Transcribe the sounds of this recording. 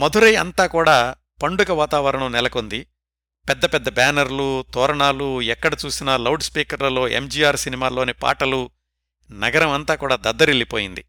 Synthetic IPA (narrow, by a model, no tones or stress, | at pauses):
mɐd̪ʱuɾɐjɐ̰nt̪aːkuːɽaː | pɐɳɖukɐʋaːt̪aːʋɐɾɐɳɐmnɛlɐko̞nd̪i | pɛd̪ːɐpɛd̪ːɐbaːnɐɾlut̪ɔːɾɐɳaːluɛkːɐɽɐt͡ʃuːsinɐlɐwɖspiːkɐɾlɐlo̞ːʔḛmd͡ʒiːaːɾsinimaːlo̞ːnipa̰ːʈɐlu | nɐɡɐɾɐmɐnt̪aːkuːɽaːd̪ɐd̪ːɐɾilːipoːjind̪ḭ